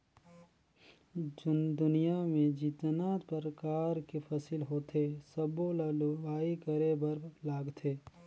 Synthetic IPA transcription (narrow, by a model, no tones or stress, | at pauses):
d͡ʒʊnd̪ʊnijamẽd͡ʒiːt̪naːt̪pəɾəkaːɾkepʰəsɪlɦoːt̪ʰesəbolalʋaːikəɾebəɾlaːɡt̪ʰeː